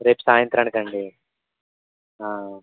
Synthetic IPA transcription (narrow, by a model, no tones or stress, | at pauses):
ɾeːpsaːjɐnt̪ɾaːɳkɐɳɖi | aː